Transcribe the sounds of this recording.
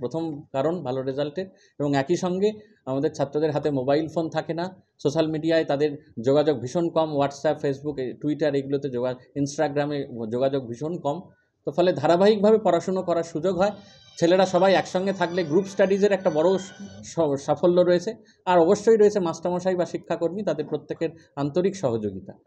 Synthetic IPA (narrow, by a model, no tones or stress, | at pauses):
pɾot̪ʰomkaɾonbʱaloɾed͡ʑalʈeɾ | eboŋɛkiʃɔŋɡe | amad̪eɾt͡ɕʰat̪ːɾod̪eɾɦat̪emobajlfont̪ʰakena | soʃalmiɖiaet̪ad̪eɾd͡ʑoɡad͡ʑoɡ̚bʱiʃonkɔmwaʈsapfesbukʈuiʈaɾeɡulot̪ed͡ʑoɡainsʈaɡɾamed͡ʑoɡad͡ʑoɡ̚bʱiʃonkɔm | t̪ofɔled̪ʱaɾabaɦik̚bʱabepɔɾaʃonokɔɾaɾʃud͡ʑoɡɦɔe | t͡ɕʰeleʈaʃɔbajɛkʃɔŋɡet̪ʰakleɡɾupsʈaɖid͡ʑeɾɛk̚ʈabɔɽo | ʃafolːoɾoet͡ɕʰe | aɾɔboʃːojɾoet͡ɕʰemasʈamɔʃajbaʃikʰːakoɾmit̪ad̪eɾpɾot̪ːekeɾ | ant̪oɾikʃɔɦod͡ʑoɡit̪a